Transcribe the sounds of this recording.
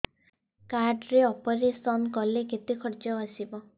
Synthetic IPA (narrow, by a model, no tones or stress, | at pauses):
kaɾɖɾeɔpɔɾesɔnkɔleket̪ikʰɔɾd͡ʒɔasibɔ